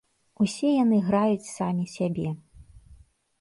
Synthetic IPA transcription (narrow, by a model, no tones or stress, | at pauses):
usʲɛjan̪ɨɣɾajut͡sʲsamʲisʲabʲɛ